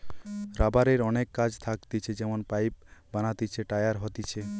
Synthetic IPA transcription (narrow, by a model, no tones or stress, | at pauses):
ɾabaɾeɾɔnekːad͡ʑt̪ʰakt̪it͡ɕʰed͡ʑɛmonpajp̚banat̪it͡ɕʰeʈajaɾɦɔt̪it͡ɕʰe